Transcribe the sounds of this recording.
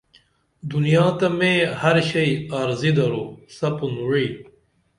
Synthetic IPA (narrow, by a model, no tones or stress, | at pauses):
d̪unijaːt̪ɐmẽːhɐɾɕɐjaɾzid̪ɐɾusɐpunɻiː